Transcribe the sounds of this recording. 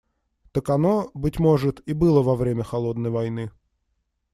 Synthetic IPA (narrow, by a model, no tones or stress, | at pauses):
t̪əkɐnobɨtʲmo̞ʐɨt̪ibɨlˠəvɐvɾʲemʲəxɐlˠo̞d̪nəjvɐjnɨ